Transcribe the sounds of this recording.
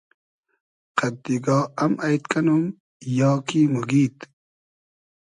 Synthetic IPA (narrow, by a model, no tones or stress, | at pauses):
qɐd̪iɡɑːɐmɐjt̪kɐnum | jɑːkimuɡiːt̪